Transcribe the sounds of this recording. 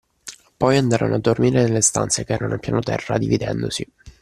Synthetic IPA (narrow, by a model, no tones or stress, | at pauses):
pɔjand̪aːɾanoad̪ːormiːɾenelːest̪a̰nt̪sekeɛːɾanʔopjaːnot̪ɛrːa̰d̪ivid̪ɛnd̪osi